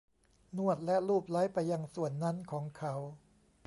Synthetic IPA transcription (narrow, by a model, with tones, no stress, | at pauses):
nu˥˩ət̪̚lɛ˦˥ɾuː˥˩p̚la˦˥jpa˧jːa˧ŋsu˨˩ənːa˦˥nkʰɔː˩˦ŋkʰa˦˥w